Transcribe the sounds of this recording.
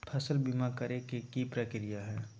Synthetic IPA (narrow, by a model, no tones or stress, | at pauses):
pʰɐsəlbimakɐɾekekipɾəkɪɾijaɦɛː